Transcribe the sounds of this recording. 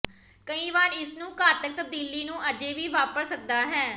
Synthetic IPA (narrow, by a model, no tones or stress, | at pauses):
kəĩːʋaːɾɪsnũːkaːt̪ək̚t̪əb̚d̪iːliːnũːʔəd͡ʒeːʋiːʋaːpəɾsək̚d̪aːɦɛː